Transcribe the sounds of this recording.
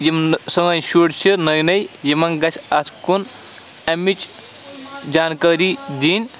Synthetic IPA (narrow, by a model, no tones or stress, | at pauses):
jimsɐŋɐnʃuːʈt͡ʃʰiɾnɐjnɐjjimɐŋɡɐsʲʰɐsʰkun | ɐmit͡ʃ | d͡ʒaːnkaːɾiːd̪iːnʲ